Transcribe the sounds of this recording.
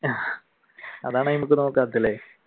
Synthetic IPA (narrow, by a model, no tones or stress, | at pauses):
ɐ̰ðaːɳɨnimuk̬ːɨnoːkːɨɐt̪ːilːe